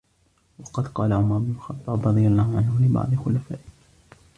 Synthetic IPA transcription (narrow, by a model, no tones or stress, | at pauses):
wɑqɑd̪qɑːlaʕʊmɑɾˤʊbnʊlxɑt̪ˤːɑːbɾˤɑd̪ˤɨjalˤːɑːhʊʕanhʊlɪbɑ̰ʕd̪ˤɨxʊlafaːʔɪ